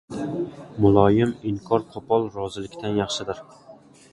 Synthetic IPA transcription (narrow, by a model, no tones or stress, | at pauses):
mʊlˠɒjɪmɪŋkʰɒɾqʰɒpʰɒlˠɾɒzɪlɪkʲt̪ʰanjɑχʃɪd̪ɪɾ